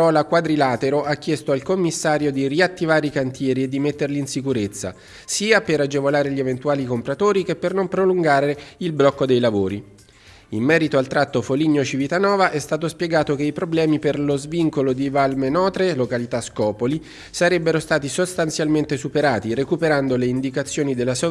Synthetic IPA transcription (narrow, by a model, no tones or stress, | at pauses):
ɔːlakwad̪ɾilaːt̪eɾoʔakːjɛst̪oalkomːisːaːɾjod̪iriat̪ːivaːɾeikant̪jɛːɾied̪ːimet̪ːerliːnsikuɾet̪sːa̰ | siːapeɾad͡ʒevolaːɾeʎievent̪uaːlikompɾat̪oːɾik̟epːernompɾoluŋɡaːɾeilblɔkːod̪ejlavoːɾi | imːɛːɾit̪oalt̪ɾat̪ːofoliɲːot͡ʃivit̪anɔːvaʔɛst̪aːt̪ospjeɡaːt̪okeipɾoblɛːmiperlozviŋkolod̪ivalmenɔːt̪ɾelokalit̪askɔːpoli | saɾɛbːeɾost̪aːt̪isost̪ant̪sjalment̪esupeɾaːt̪irekupeɾand̪oleind̪ikat̪sːjoːnid̪elːas